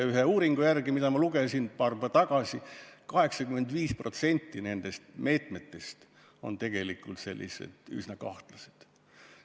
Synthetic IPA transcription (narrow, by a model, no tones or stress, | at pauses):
yɦeuːɾiŋɡ̥ujærɡ̥imid̪ɑmɑluɡesinpɑːrpɑt̪ɑɡ̥ɑsikɑhe̞ksɑkymːe̞nd̪viːspro̞t̪se̞nʲt̪ːine̞nd̪̥e̞st̪me̞ːt̪ˑme̞t̪ːe̞st̪ | o̞̰nt̪e̞ɡ̥e̞likːult̪se̞̰lːʔḭsḛd̪̥y̰snɑkɑ̰ht̪lɑse̥d̪̥